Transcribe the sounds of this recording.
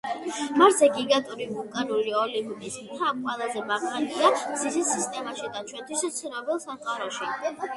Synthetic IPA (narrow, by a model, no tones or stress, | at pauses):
maɾzɛɡiɡat̪ʼuɾivulˠkʼaɾuliɔlivup̪ʼis | t̪ʰap̚kʰʼwɛlˠazɛmaʁaniaz̥izisist̪ʼɛmaʃid̪at͡ʃʰwɛnt̪ʰwist̪sʰiɾɔbɛlˠsaqʼaɾɔʃi